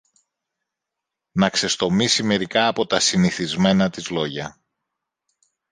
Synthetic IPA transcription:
nɐkse̞st̪o̞misime̞ɾikɐːpo̞t̪ɐsiniθizme̞nɐt̪izlo̞ʝɐ

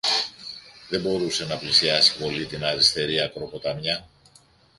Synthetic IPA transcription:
ðe̞bo̞ɾuse̞nɐplisiɐsi̥po̞lit̪inɐɾist̪e̞ɾiɐkɾo̞ko̞t̪ɐmɲɐ

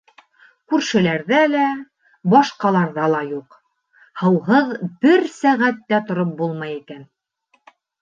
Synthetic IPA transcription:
kʉɾʃɘ̆læɾðælæ | bɑʃqɑlˠɑɾðɑlˠɑjuq | hɤ̆wɦɤðbɘɾsæʁæt̪ːæt̪ŏɾop̚bulˠmɑjikæn

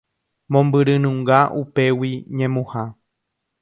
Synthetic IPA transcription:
mõmbɨɾɨ̃nũŋɡaʔupe̞wiɲẽmũha

